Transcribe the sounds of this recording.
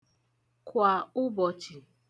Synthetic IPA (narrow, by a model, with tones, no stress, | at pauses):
kʷa˨ʊ˦bɔ˨t͡ʃi˨